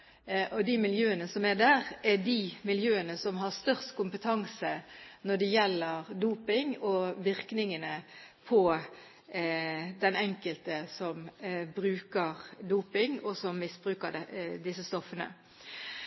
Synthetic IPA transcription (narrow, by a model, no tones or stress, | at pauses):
ʔɔd̪imɪljøːənəsɔmɛd̪æːʁɛdimɪljøːənəsɔmɦɑst̪œʁst̪kʰʊmpət̪ʰɑŋsənɔɖɛjɛlːəʁd̪uːpɪŋɔʋɪɾknɪŋənəpʰɔ | d̪ɛnɛŋkəlt̪əsɔmbɾʉːkəʁd̪uːpɪŋɔsɔmːɪsbɾʉːkəɾd̪ɪsəst̪ɔfːənə̰